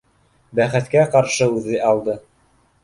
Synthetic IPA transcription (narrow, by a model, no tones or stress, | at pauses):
bæχɘ̆t̪kæqɑɾʃɤʉðɘʔɑlˠd̪ɤ